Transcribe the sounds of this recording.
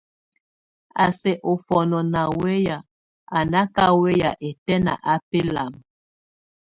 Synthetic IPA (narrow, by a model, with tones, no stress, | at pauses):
a˨sɛ˨ʔo˨fɔ˨nɔ˨na˨we˦ja˨ | a˨na˦ka˦we˦ja˨ʔe˨tɛ˦na̰˨ʔa˦pe˦la˨m